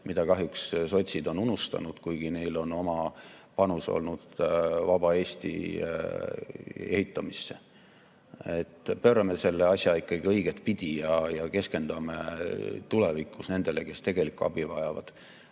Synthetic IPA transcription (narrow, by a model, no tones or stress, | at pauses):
mid̪ɑkɑɦjuksso̞t̪ʲsʲid̪o̞nunust̪ɑ̰nud̪̥kujɡ̥ine̞jlo̞no̞mɑ | pɑnuso̞̰lnud̪̥vɑb̥ɑe̞ːsʲt̪ḭ | e̞hit̪ːˑɑmisːḛ | et̪ːpøːɾɑmese̞lːe̞ɑsʲjɑikːɑɡ̥iɤjɡ̥et̪pid̪̥ʲijɑjɑke̞ske̞nd̪̥ɑmḛt̪ule̞vikːˑusne̞nd̪̥e̞le̞ke̞st̪e̞ɡ̥e̞likːˑuɑ̰b̥ivɑjɑvɑ̰d̪̥